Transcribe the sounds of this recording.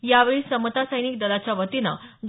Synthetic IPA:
jaʋeɭiːsəmət̪asəjnik̚d̪əlat͡ɕjaʋət̪inaɡ

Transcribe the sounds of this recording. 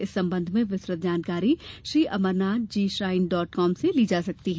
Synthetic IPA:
ɪsːɐ̃mbə̃nd̪ʱmẽʋɪsɾət̪̚d͡ʒaːnkaːɾiʃɾiːʔɐməɾnaːt̪̚d͡ʒiːʃɾaːɪnɖɔːʈkɔːmseliːd͡ʒaːsɐk̚t̪iɦɛː

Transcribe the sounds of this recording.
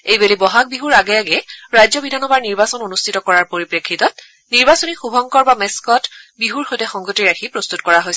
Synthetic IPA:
ejbelibɔɦak̚biɦuɹaɡɛaɡɛɹajzɔbidʱanɔbaɹniɹbasɔnonustʰitɔkɔɹaɹpoɹipɹekʰːitɔt̚ | niɹbasonixubʱɔŋkɔɹbameskɔtbiɦuɹxojtɛxɔŋɡotiɹaxʰipɹost̪utkɔɹaɦojs

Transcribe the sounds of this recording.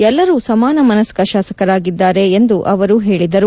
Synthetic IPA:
ɛlːɐɾuːsɐmaːnɐmɐnɐskɐʃaːsɐkɐɾaːɡid̪ːaːɾe̞ːnd̪uʔɐʋɐɾuɦeːɭid̪ɐɾu

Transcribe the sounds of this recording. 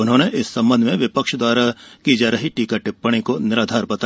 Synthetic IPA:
ʊnɦõːneʔɪsːɐ̃mbə̃nd̪ʱmẽʋɪpəkʃd̪waːɾakid͡ʒaːɾɐɦiʈiːkaʈɪpːəɽ̃ikonɪɾaːd̪ʱaːɾbɐt̪a

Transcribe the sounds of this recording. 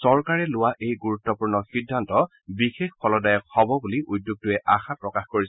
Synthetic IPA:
sɔɹkaɹɛlʊwaʔejɡuɹutːɔpuɹnɔxidʱːantɔ | bixexpʰɔlɔdajɔk̚hɔbɔbuliʔudjuɡ̚tʊɛaxapɹɔkaxkoɹis

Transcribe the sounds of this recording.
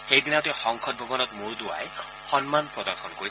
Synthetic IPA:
xejdinatɛxɔŋkʰɔt̚bʱɔɡɔnɔtmʊɹdʊwa̰j | xɔnmanpɹɔdɔɹxʰɔnkoɹi

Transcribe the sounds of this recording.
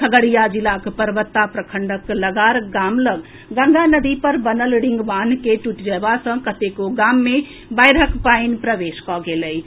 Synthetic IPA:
kʰəɡəɽijad͡ʒilakpəɾəbət̪ːapɾəkʰəɳɖəkləɡaɾɡamləɡ | ɡə̃ŋɡanəd̪ipəɾbənəlɽiŋɡʋankeʈuʈd͡ʒɛbasə̃kət̪ekoɡamːe | bajɾəkpainpɾəʋeskɔɡeləi

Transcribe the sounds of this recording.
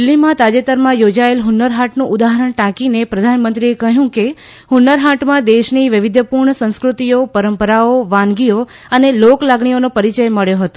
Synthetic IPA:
ɪlːimãt̪ad͡ʒet̪əɾmãjod͡ʒaelɦunːəɾɦaʈnũʔud̪aɦəɾəɳʈãkinepɾəd̪ʱanmənt̪ɾiekəɦjũke | hunːəɾɦaʈmãd̪eʃniʋɪʋɪd̪ʱəpuɾɳəsə̃w̃skɾut̪ijopəɾəmpəɾaoʋãnɡio | əneloklaɡɳionopəɾit͡ʃəjməɭjoɦət̪o̥

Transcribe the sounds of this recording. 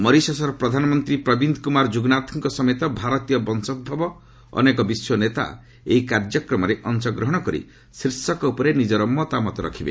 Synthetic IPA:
mɔɾisɔsɔɾɔpɾɔd̪ʱanɔmɔnt̪ɾipɾɔbind̪ʱkumaɾd͡ʒuɡnat̪ʰiŋkɔsɔmet̪ɔbʱaɾɔt̪ijɔbɔnsɔd̪̚bʱabɔ | ɔ̰nekɔbiswɔnet̪a̰ | eikaɾd͡ʒɔkɾɔmɔɾeʔɔnt͡ʃɔɡɾɔɦɔɽ̃ɔkɔɾḭ | sɾisɔkɔupɔɾenid͡ʒɔɾɔmɔt̪amɔt̪ɔɾɔ̰kʰibḛ

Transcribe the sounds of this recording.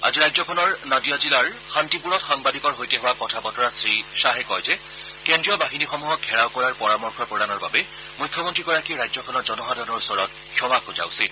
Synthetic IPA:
a̰ziɹajzɔkʰɔnɔɹnadijazilaɹ | xantipuɹɔtxaŋbadʱikɔɹɦojtɛɦʊwakɔtʰapɔtɔɹatsɹiʃaɦɛkɔjzɛ | kendɹijɔbaxinixɔmuɦɔk̚hɛɹawkɔɹaɹpɔɹamɔɹkʰɔpɹɔdanɔɹba̰bɛ | mujkʰːjɔmɔntɹiɡɔɹakiɹajzɔkʰɔnɔzɔnɔɦadʱɔnɔɹusɔɹɔt | kʰjɔmakʊza̰ʊsit

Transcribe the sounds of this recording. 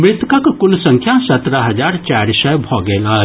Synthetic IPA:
mɾɪt̪kakkulsə̃ŋkʰjasət̪ɾaɦəd͡ʒaɾt͡ʃaɾsəjbʱɔɡela

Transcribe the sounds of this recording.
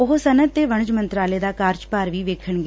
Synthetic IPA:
ʊɦsənət̪t̪ːeːʋəɳ̃d͡ʒmənt̪ɾaːleːd̪aːkaːɾt͡ʃpaːɾʋiːʋeːkʰəɳɡeː

